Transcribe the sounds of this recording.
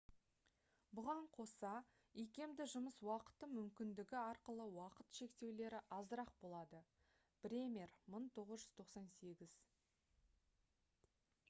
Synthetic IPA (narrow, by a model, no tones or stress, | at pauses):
bʊʁɑɴqʰo̞sɑ | ijkʲe̞md̪ɪʒʊməswɑqə̥t̪ːəmʏmkʲɪnd̪ɪɡʲɪɑɾqəlˠəwɑqət̪ʃe̞kt̪e̞wle̞ɾɪʔɑzəɾɑq̚bo̞lˠɑd̪ə | b̥ɾʲemʲerməɴt̪ʰo̞ʁəzʒʏz̥t̪ʰo̞qsɑnse̞ɡʲɪz̥